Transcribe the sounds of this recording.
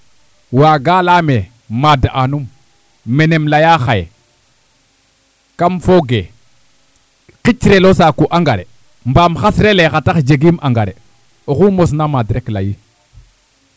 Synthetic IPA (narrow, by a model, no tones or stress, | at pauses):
waɡalame | madaʔanumː | enemlajaxaje | kamfoɡe | kit͡ʃɾelosakuʔaŋɡaɾe | mbamxasɾelexatad͡ʒeɡimaŋɡaɾe | oxumos̬namadɾekla̰ji